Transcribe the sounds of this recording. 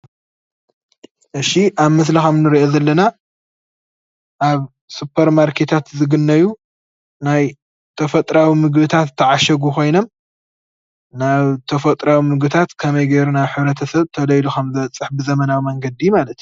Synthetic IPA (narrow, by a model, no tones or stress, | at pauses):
ʔɨʃiʔaβmɨs̬lixɐmnɨɾiʔo̞zɐlːɐna | ʔaβ | supʰːɐɾmaɾkʰe̞t̪ʰat̪zɨɡɨnːɐju | naj | t̪ʰɐfɐt̪ʼɾawimɨɡbɨt̪ʰat̪ʰːɐʕaʃɐɡukʰo̞jno̞m | naβt̪ʰɐfɐt̪ʼɾawimɨɡbɨt̪ʰat̪kʰɐmɐjɡejɾunaħɨβɾɐt̪ʰɐsɐβt̪ʰɐlɐjluxɐmzɨβɐt͡sʼːɨħbɨzɐmɐnawimɐŋɡɐd̪ijmalɐt̪